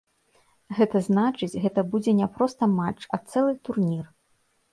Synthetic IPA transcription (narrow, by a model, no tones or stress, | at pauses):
ɣɛt̪ɐznat͡ʂɨt͡sʲɣɛt̪ɐbud͡zʲɛnʲɛpɾɔst̪ɐmat͡ʂɐt̪sɛlˠɨt̪urnʲir